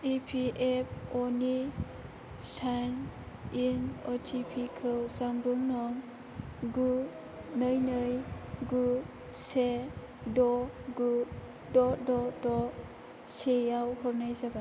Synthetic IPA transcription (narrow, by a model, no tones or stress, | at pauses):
epʰiʔep̚ʰɔni | sajn | inɔtʰipʰikʰɯwzaŋbuŋnɔŋ | ɡu | nɯjnɯjɡu | se | dɔɡu | dɔdɔdɔ | sejawhɔɾnajzaba